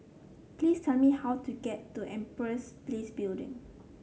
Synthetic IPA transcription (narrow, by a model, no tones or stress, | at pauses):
plistʰɛlmihawtuɡɛtːuʔɛ̃mpɹɛsplesbildɪ̰̃ŋ